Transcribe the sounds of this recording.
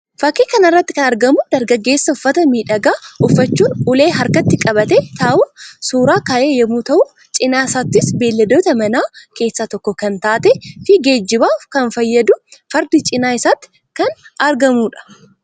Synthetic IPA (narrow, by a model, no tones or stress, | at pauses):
fɐkːiːkɐnɐrːɐt̪ːɪ̥kɐnɐɾɡɐmʊd̪ɐɾɡɐɡːe̞ːsːɐʊfːɐt̪ɐmiːᶑɐɡaːʊfːɐt͡ʃːuːnʊle̞ːɦɐɾkɐt̪ːɪkʼɐbɐt̪et̪ʰaːʔʊsuːɾaːkaːʔeːjɐmut̪ɐʔʊ | t͡ʃʼɪnaːɪsaːt̪ːɪsbe̞ːlːɐd̪oːt̪ɐmɐnaːke̞ːsːaːt̪ɔkːɔkɐnt̪aːt̪ɛfɪɡe̞ːd͡ʒːɪbaːkɐnfɐjːɐd̪ʊfɐɾd̪ɪt͡ʃʼɪnaːɪsaːt̪ːɪ̥ | kɐnɐɾɡɐmuːᶑɐ̥